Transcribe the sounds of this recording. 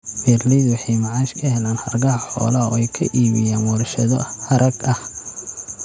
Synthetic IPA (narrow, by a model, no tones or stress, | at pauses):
fɛːrliðwɑħɑjmɑʕɑːʃkʰɐhɛlaːnhɐrɡɐɦɐħɔ̰ːlɐɔɛjkʰɐ̰ʔiːβɪjaːnwɐrʃɐðɔhɐɾʔɐɡɐh